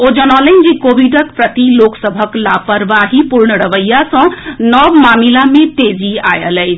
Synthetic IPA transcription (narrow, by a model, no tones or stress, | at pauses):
od͡ʒənɔlənd͡ʒikobʱiɖəkpɾət̪iloksəbʱəklapəɾʋaɦipuɾɳəɾəʋəjːasə̃nəbmamilamet̪ed͡ʒia̰jə̰ləjt͡ʃʰ